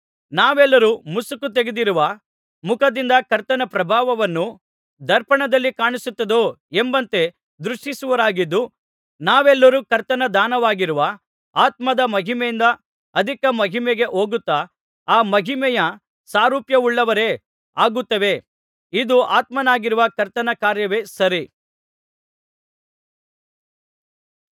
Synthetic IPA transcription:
naːʋɛlːɐɾuːmusukːut̪eɡed̪iɾuʋɐ | mukɐd̪ind̪ɐkɐɾt̪ɐnɐpɾɐbʱaːʋɐʋɐnːu | d̪ɐɾpɐɳɐd̪ɐlːikaːɳisut̪ːɐd̪oː | embɐnt̪e̞ | d̪ɾuʂʈisuʋɐɾaːɡid̪ːu | naːʋɛlːɐɾuːkɐɾt̪ɐnɐd̪aːnɐʋaːɡiɾuʋɐ | aːt̪̚mɐd̪ɐmɐɦimɛjind̪ɐ | ɐd̪ʱikɐmɐɦimɛɡe̞ʔo̞ːɡut̪ːa | aːmɐɦimɛjɐ | saːɾuːpjɐuɭːɐʋɐɾe̞ | aːɡut̪ːɐʋe̞ | id̪uaːt̪mɐnaːɡiɾuʋɐkɐɾt̪ɐnɐkaːɾjɐʋe̞sɐɾi

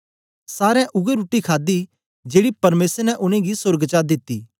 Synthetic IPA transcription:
saːɾɛ̃ʔʊɡeɾuːʈːikʰaːd̪i | d͡ʒeːɽipɐɾmeːsəɾnɛʔʊɽ̃ẽɡisʊɾɡt͡ʃaːd̪ɪt̪ːiː

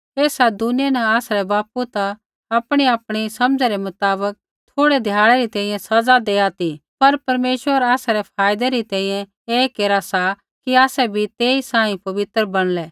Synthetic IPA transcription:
eːsad̪ʊnɪjɛnɐaːsaɾɛbaːput̪aː | pɽ̃iaːpɽ̃isɐmd͡zɛɾɛmʊt̪aːbək̚ | t̪ʰoːɽɛd̪ʱjaːɭɛɾit̪ɛ̃ĩjɛ̃sɐd͡zad̪eːaːt̪ipɐɾpɐɾmeːʃʋəɾaːsaɾɛpʰaːjd̪ɛɾit̪ɛ̃ːĩːjɛ̃ | eːkeːɾasa | kiaːsɛbʱit̪eːisãːĩpɐʋɪt̪əɾbɐɽ̃lɛː

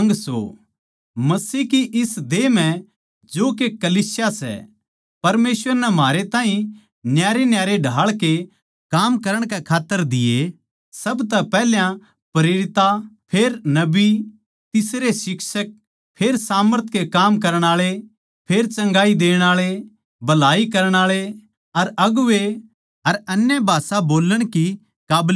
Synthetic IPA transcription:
ɐŋɡso̰ | mɐsiːkiʔɪsd̪eːm̤ɛ̃ | d͡ʒoːkekɐliːsjasɛ̰ | pɐɾmeːsʋəɾnɛmaːɾet̪ãːɦĩ | njaːɾenjaːɾeɖʱaːɭke | kaːmkɐɾəɽ̃kɛkʰaːt̪ːəɾd̪ɪje | sɐbt̪̬ɛpɛːljã | pɾeːɾɪt̪apʰeːɾnɐbi | t̪ɪsɾesɪkʃək̚ | pʰeːɾsaːməɾt̪ʰkekaːmkɐɾəɽ̃aːɭe | pʰeːɾt͡ʃɐ̃ŋɡaːid̪eːɽ̃aːɭe | bɐlaːikɐɾəɽ̃aːɭe | ɐɾɐɡʊʋe | ɐɾɐnjəbʱaːsaboːləɽ̃ki | kaːbl

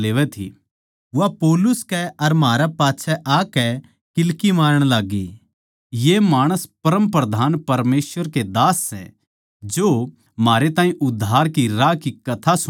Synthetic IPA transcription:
leːʋɛt̪ʰḭ | apoːlʊskɛɐɾmaːɾapaːtːʃʰɛʔaːkɛ | kɪlkimaːɾəɽ̃laːɡḭ | jemaːɽ̃əspɐɾə̃mpɾɐd̪ʱaːnpɐɾmeːsʋəɾked̪aːsːɛ̰̃ | d͡ʒoː | maːɾet̪ãːĩʔʊd̪ʱːaːɾkiɾakikɐt̪ʰas

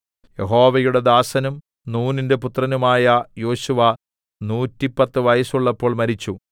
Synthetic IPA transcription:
jeɦo̞ːʋɐjuɽe̞d̪aːsɐnum | nuːninde̞put̪rɐnumaːjɐjo̞ːɕuʋɐ | nuːtːipːɐt̪ːɨʋɐjɐsuɭːɐpːo̞ːɭmɐɾit͡ɕːu

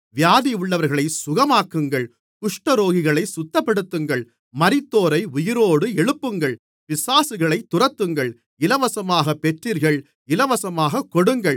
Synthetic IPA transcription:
ʋɪjaːðiʊɭːɐʋɐɾɣɐɭɐɪsʊɣɐmaːkːɯŋɡɐɭ | kʊʂʈɐɾoːɣɪɣɐɭɐɪsʊt̪ːɐpːɐɽɯt̪ːɯŋɡɐɭ | mɐɾɪt̪ːoːɾɐɪʊjɪɾoːɽɯɛɻɯpːɯŋɡɐɭ | pɪsaːsɯɣɐɭɐɪt̪ːʊrɐt̪ːɯŋɡɐɭ | ɪlɐʋɐsɐmaːɣɐpːɛʈriːɾɣɐɭ | ɪlɐʋɐsɐmaːɣɐkːɔɽɯŋɡɐɭ

